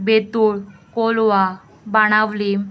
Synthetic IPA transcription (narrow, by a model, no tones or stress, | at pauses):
bet̪uɭkolʋa | baɽ̃aʋlim